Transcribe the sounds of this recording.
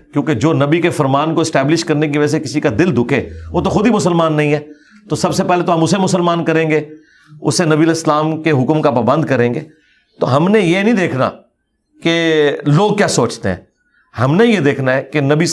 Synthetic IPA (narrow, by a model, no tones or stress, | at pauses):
kjõːked͡ʒoːnɐbikefɐɾmaːnkoɪsʈɛːblɪʃkɐɾnek̬iʋɐd͡ʒasekɪsikad̪ɪld̪ʊkʰeːʋoːt̪oxʊd̪ʱimʊsəlmaːnːɐɦĩɦɛː | t̪osɐbsepɛɦlet̪oɦɐmʊsemʊsəlmaːnkɐɾẽːŋɡeː | ʊ̰senɐbiəlɪslaːmkeɦʊkmkapaːbə̃nd̪kɐɾẽːŋɡḛː | t̪o̰ɦɐmnejenɐɦĩd̪eːkʰna̰ | keloːɡ̚kjaːsoːt͡ʃt̪ḛɦɛ̰̃ː | hɐmnejed̪eːkʰnaɦɛːkenɐbi